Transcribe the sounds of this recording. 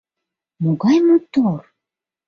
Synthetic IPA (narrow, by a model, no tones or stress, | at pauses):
moɡɑjmot̪or